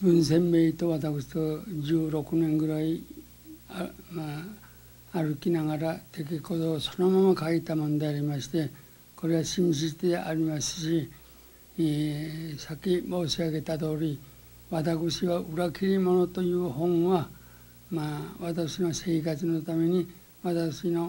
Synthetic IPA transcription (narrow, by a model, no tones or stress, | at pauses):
bɯ̟̃ɰ̃sẽ̞mbeit̪o̞βat̪akɯ̟ɕi̥t̪o̞d͡ʑɨːɾo̞kɯ̟nẽ̞ŋɡɯ̟ɾai | maː | ɾɯ̟kʲinaɡaɾat̪e̞k̬ʲiko̞t̪oːso̞no̞mamakait̪amõnd̪e̞aɾʲimaɕi̥t̪e̞ | ko̞ɾe̞βaɕĩɕ̬it̪eʔaɾʲimasɨ̥ɕi | sakʲimoːɕiaɡe̞t̪at̪o̞ːɾʲi | βat̪akɯ̟ɕiβaɯɾakʲiɾʲimo̞no̞t̪o̞jɯ̟ːɦõ̞ɰ̃βa | maβat̪akɯɕinose̞ːkat͡sɨno̞t̪ame̞ɲ̟i | βat̪akɯɕino̞